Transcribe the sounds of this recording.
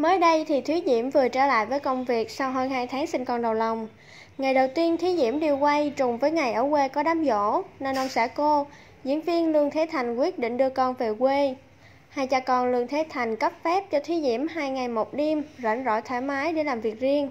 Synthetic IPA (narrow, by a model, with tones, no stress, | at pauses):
məː˨˦jɗə˧jt̪ʰi˨˩t̪ʰwi˨˦ɗḭ˧˥əmvɨ˨˩ət͡ɕəː˧˩la̰ː˧˨jvəː˨˦jkə˧wŋ͡mvi˨˩ək̚sa˧wɦəː˧nhaː˧jt̪ʰaː˨˦ŋsï˧ŋ̟kɔ˨˩nɗə˨˩wla˨˩wŋ͡m | ŋa˨˩jɗə˨˩wt̪i˧ənt̪ʰwi˨˦ɗḭ˧˥əmɗi˧˩əwkwə˧jt͡ɕʊ˨˩ŋ͡mvəː˨˦jŋa˨˩jʔəː˧˩kwe˧kɔ˨˦ɗaː˨˦mzo̰˧˥ne˧nʔə˧wŋ͡msɛ̰˧˥ko˧ | zḭ˧˥ənvi˧ənlɨ˧əŋt̪ʰe˨˦t̪ʰa˨˩jŋ̟kwi˦˥ət̚ɗḭ̈˧˨ŋ̟ɗɨ˧əkɔ˧˩nve˨˩kwe˧ | ha˧jt͡ɕaː˧kɔ˧˩nlɨ˧əŋt̪ʰe˨˦t̪ʰa˨˩jŋ̟kə˦˥p̚fɛ˦˥p̚t͡ɕɔ˧t̪ʰwi˨˦ɗḭ˧˩əmɦaː˧jŋa˨˩jmo˨˩t̚ɗi˧mzə̰˧˩nzɔ̰˧˥t̪ʰaː˧˩jmaː˨˦jɗe˧˩laː˨˩mvi˨˩ək̚zi˧ən